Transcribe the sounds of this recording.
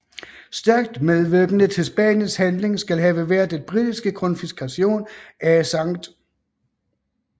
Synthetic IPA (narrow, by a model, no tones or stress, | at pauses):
sd̥æɐɡ̥̚d̥meðˠʋøɡ̥ənət͡sʰe̝lsb̥ɛ̰njənshænle̝ŋsɡ̥ælɦɛːʋəʋæɐ̰d̥enb̥ʁid̥isɡ̥əkʰɒ̽nfisɡ̥ʰæɕo̝̰ːnæsɑ̈ŋ̰d̥